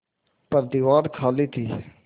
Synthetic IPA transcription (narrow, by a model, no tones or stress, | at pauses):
pəɾd̪iːʋaːɾkʰaːliːt̪ʰiː